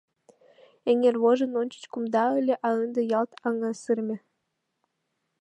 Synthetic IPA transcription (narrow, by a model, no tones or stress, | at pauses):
eŋʲerβoʒɤ̆nonʲt͡ɕə̥t͡ɕkumd̪ɑəlʲĕʔɑənd̪ɤ̆jɑlt̪ɑŋɑsɨrmʲɘ̆